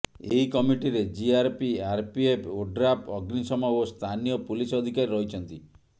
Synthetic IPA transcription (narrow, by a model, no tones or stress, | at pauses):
eɦikɔmiʈiɾed͡ʒiaɾpiaɾpiepʰoɖɾapɔɡnisɔmaost̪ʰanijɔpulisɔd̪ʱikaɾiɾɔɦit͡ʃʰɔnt̪i